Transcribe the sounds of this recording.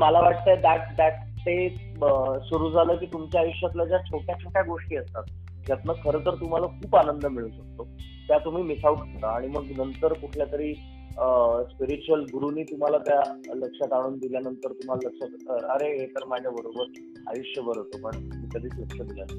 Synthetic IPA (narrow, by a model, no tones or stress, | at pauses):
malaʋaʈ̚t̪əed̪aʈ̚d̪aʈː | e | əsuɾuːd͡zʱaləːkiːt̪umt͡ɕjaːjuɕjat̪lad͡ʑjat͡ɕʰoʈjat͡ɕʰoʈjaɡoʂʈiːəst̪at̪̚ | d͡ʑat̪nəkʰəɾət̪əɾt̪um̤alakʰuːpanənd̪əmiɭũːnɕək̚t̪o | t̪jat̪um̤iːmisauʈʰat̪aaɽ̃iməɡnənt̪əɾkuʈʰljat̪əɾiː | spiɾit͡ɕuəlɡuɾuniːt̪um̤alat̪jaləkʂat̪aɽ̃uːnd̪iljanənt̪əɾt̪um̤alaləkʂət̪təɾəɾeɦet̪əɾmad͡ʑʱjabəɾobəɾ | a̰juʂjəbəɾɦot̪opəɳmikəd̪ʱiːt͡sləkʂəd̪iljan